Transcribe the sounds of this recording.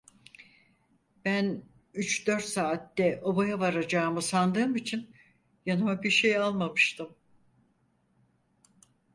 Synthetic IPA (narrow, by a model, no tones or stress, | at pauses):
b̥æn | yt͡ʃd̪ø̞ɾt̪saːt̪ːɛʔo̞bajavaɾad͡ʒaːmɯsand̪ɯːmit͡ʃʰin | janɯmabiɾʃejalˠmamɯʃt̪ʰɯm